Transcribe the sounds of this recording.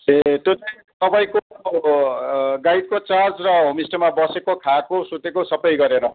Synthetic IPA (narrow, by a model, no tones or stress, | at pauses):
et̪jot͡sʌj̃ | t̪ʌpaĩko | ɡajt̪̚kot͡sard͡zrʌɦomisʈʌmabʌsekokʰakosut̪ekosʌpʌjɡʌɾeɾʌ